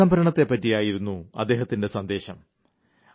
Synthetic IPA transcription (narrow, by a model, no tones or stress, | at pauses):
ɐmbʱɐɾɐɳɐt̪ːe̞pːɐtːijaːjiɾunːuɐ̰d̪ːe̞ːɦɐt̪ːinde̞sɐnd̪e̞ːɕɐm